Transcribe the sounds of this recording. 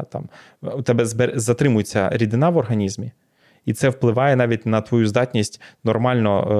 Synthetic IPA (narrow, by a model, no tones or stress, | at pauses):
t̪ɑ̰m | ut̪ɛbɛzbɛɾzɐt̪ɾɪmʊjet͡sʲːɐ̰ɾʲid̪ɪnɑʋɔrɦɐnʲizmʲi | it̪sɛwplˠɪʋɑjɛnɑʋʲitʲnɐt̪ʋɔjuzd̪ɑtʲnʲisʲtʲnɔrmɑlʲnɔ